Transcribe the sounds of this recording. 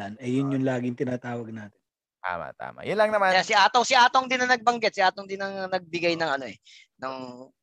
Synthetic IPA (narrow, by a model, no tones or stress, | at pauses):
anɐjʊnjʊnlaːɡɪŋt̪ɪnaːt̪aːwɐɡ̚naːt̪ɪn | t̪a̰ːma̰t̪a̰ːma̰jʊnlɐŋnɐmajasɪʔaːt̪owsɪʔaːt̪oŋd̪ɪnɐnɐɡ̚bɐŋɡɛt̪sɪʔaːt̪oŋd̪ɪnɐŋnɐɡ̚bɪɡajnɐŋɐno̞ʔɛ | nɐŋ